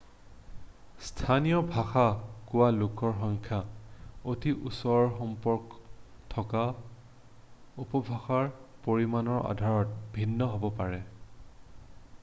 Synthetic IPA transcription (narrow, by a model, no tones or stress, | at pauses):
stʰanijɔbʱaxakʊwalukɔɹxɔŋkʰjaotiʔusɔɹɔɹxɔmpɔɹk | tʰɔka | upɔbʱaxaɹpoɹimanɔɹa̰dʱaɹɔt̚bʱinːɔɦobɔpaɹɛ